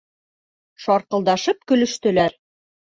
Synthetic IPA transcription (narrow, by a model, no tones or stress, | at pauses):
ʃɒɾqɤ̆lˠd̪ɑʃɤp̚kɵ̆lɵ̆ʃt̪ɵ̆læɾ